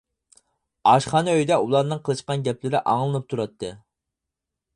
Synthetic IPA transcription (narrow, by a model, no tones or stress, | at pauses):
ɑʃχɑnøjd̪ɛʔulˠɑɾnɨŋqʰəlˠɨʃqɑnɡʲɛplɪɾɪʔɑŋlˠɨnɨp̚t̪ʰuɾɑt̪ʰːɨ